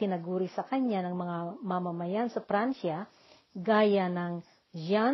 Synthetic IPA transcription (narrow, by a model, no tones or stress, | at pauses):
t̪ɪnɐɡuːɾɪsɐkɐɲanɐŋmɐŋamɐmɐmɐjansɐfɾanʃa | ɡaːjanɐŋ | d͡ʒa